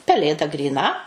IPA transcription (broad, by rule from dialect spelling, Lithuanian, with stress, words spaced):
pʲɛˈlʲeːdɐ ɡrʲiːˈnɐ